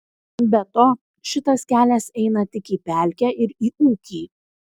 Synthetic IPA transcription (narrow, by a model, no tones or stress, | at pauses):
bʲɛt̪oː | ʃʲɪt̪ɐskʲæːlʲɛsɛɪnɐt̪ʲɪkiːpʲæˑlʲkʲɛːʔɪɾiːuːkʲiː